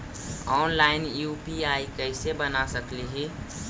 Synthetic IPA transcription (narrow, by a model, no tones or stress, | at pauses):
ɔːnlaːɪnjuːpiaːikəɪsebənasəkliɦi